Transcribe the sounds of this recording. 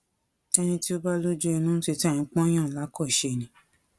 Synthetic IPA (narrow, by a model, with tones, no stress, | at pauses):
ɛ˧nĩ˧ti˦o˧ba˦lo˦d͡ʒu˦ɛ˧nũ˦te˧ti˦ɛ˦˨nĩ˨˧k͡pɔ̃˦j̃ã˦˨la˨˦kɔ˦˨ʃe˧˨nĩ˨˦